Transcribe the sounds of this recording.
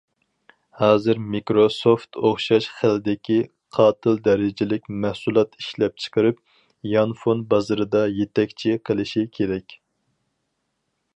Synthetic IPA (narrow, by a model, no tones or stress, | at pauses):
hɑːzɨɾmikɾosoft̪oχʃɑʃχælɪd̪ɪkʲi | qʰɑːt̪ʰɨlˠd̪ɛɾɪd͡ʒɪlɪkʲmæhsulˠɑt̪i̥ʃlɛp̚t͡ʃʰə̥qʰəɾɨp̚ | jɑnfonbɑzɨɾɨd̪ɑjet̪ɛkʲt͡ʃʰiqʰəlˠɨʃikʲʰeɾɛkʲ